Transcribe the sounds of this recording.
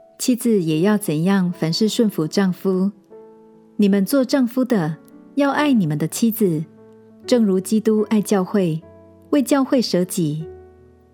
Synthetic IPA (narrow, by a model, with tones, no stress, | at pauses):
t͡ɕʰi˥d͡zɹ̩˨jɛ˨˩jɑ˥˩ʊt͡sə˨˩njɑ˥˩ŋfa˧˥nʂɻ̩˥˧ʂwə˥˩nfu˧˥ʈ͡ʂɑ˥˩ŋfu˥ | ni˨˩mə˦nt͡swɔ˥˧ʈ͡ʂɑ˥˩ŋfu˥d̪ə˨jɑ˥˧ʊʔa˥˩ɪni˨˩mə˨nd̪ə˨t͡ɕʰi˥d͡z̩˨ | ʈ͡ʂɤ˥˩ŋɻu˧˥t͡ɕi˥t̪u˥ʔa˥˧ɪt͡ɕjɑ˥˧ʊxwe˥˩ɪ | we˥˩ɪt͡ɕjɑ˥˧ʊxwe˥˩ɪʂɤ˧˥t͡ɕi˨˩˦